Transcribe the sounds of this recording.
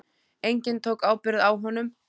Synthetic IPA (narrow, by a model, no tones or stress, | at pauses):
ejɲcɪnt̪ʰowkaːwpɪɾðawɦɔnːʏm